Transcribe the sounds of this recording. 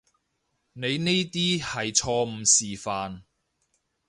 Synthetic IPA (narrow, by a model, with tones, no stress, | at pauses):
ne˨˧jne˥t̪iː˥hɐ˨jt͡ʃʰɔː˧m̩˨˧siː˨faː˨n